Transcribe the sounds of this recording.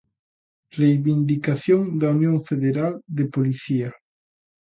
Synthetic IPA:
rejβind̪ikaθjoŋd̪aunjõŋfeðeɾald̪epoliθia

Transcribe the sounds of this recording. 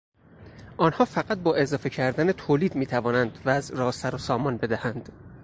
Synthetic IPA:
ʔɒːnhɒːfæɣæt̪̚bɒːʔe̞zɒːfe̞cʰæɾd̪ænet̪ʰoːliːd̪miːt̪ʰævɒːnænd̪væzɾɒːsæɾosɒːmɒnbe̞d̪æhænd̪̥

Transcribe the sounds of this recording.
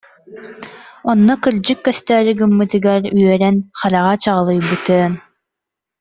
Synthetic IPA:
ɔnːɔkɯɾd͡ʑɯkːœst̪ɛːɾiɡɯmːɯt̪ɯɡɛɾyœɾɛnχalaʁat͡ɕaʁlˠɯjbɯt̪ɯɐn

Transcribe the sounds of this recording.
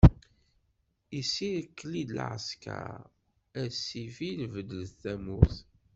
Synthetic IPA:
isiɾkːlid̪əlʕə̰ska̰ | æsifilvəd̪ələθæmuθ

